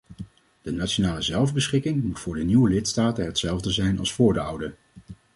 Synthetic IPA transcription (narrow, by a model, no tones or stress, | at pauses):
d̥ənaʃonaːləzɛlˠvbəsχɪkɪŋmutfʊːɹdəniwəlɪtstaːtəɦətsɛlˠvdəzɛjnɑ̰lˠsfʊːɹdəʌwdə